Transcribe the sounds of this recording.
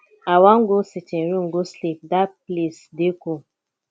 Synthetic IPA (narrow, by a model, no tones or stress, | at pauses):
awaŋ̩ɡosit͡ʃɛ̃ɾiŋɡoslik̚daplesdeko